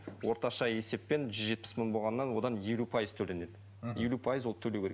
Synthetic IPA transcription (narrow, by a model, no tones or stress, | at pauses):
wo̞ɾt̪ɑʃɑje̞se̞pːe̞nʒʏzʒe̞t̪̚pɪ̥sməɴbo̞lˠʁɑnːɑnwo̞d̪ɑnje̞lupʰɑjəzt̪ʰɵlene̞d̪ɪ | je̞lupʰɑjɪzwot̪ʰɵlekʰʲeee